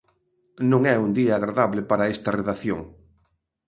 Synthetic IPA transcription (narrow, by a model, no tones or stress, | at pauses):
nũŋɛund̪iaːɣɾaðaβlepaɾaest̪ɐreðaθjo̰ŋ